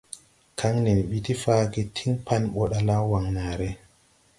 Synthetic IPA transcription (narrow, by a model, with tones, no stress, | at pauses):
kʰa˦ŋni˨n˨ɓi˨ti˦fa˦ki˦tʰi˦ŋpa˦nɓɔ˨ɗa˦la˦wa˨ŋnaː˨ɾe˦